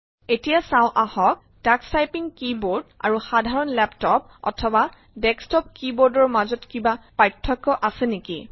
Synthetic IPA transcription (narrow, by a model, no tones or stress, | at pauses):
etijasãʊ̃ʔahɔk̚ | taksajpiŋkiboɹda̰ɹuxadʱaɹɔnlɛptɔp̚ɔ̰tʰɔba | dɛkstɔp̚kibɔɹdɔɹmazɔtkibapɹajtʰːɔkːɔʔasɛneki